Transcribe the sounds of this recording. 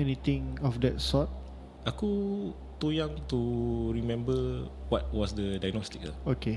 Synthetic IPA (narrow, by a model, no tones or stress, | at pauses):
ɛnit̪ĩŋɔfdɛt̚sɔt̚ | ʔaku | t̪ujãŋt̪uɹimɛ̃mbə | wɔt̚wɔsdədajnɔst̪ikəoke